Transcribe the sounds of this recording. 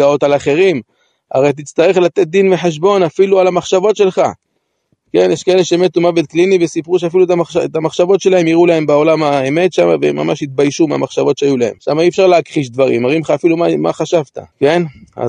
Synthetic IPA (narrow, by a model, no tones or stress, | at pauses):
ao̞t̪alaχe̞ʁim | a̰ʁejt̪̬it͡st̪aʁe̞χlat̪e̞t̪̚d̪inveħeʃ̬bo̞nafilualamaχʃavo̞t̪ʃe̞lχa | ke̞njeʃkae̞leʃemet̪umavet̪klinivesipʁuʃ̬eafilut̪amaaet̪amaχʃavo̞t̪ʃe̞lahe̞mjiʁulahe̞mbeo̞lamaeme̞t̪ʃama̰vemːa̰maʃit̪̚bajʃumea̰maχʃavo̞tʃeajulahe̞̰mʃamaiefʃaʁleakχiʃd̪vaʁḭmaʁimχaːfilumama̰χaʃavt̪a̰ke̞na̰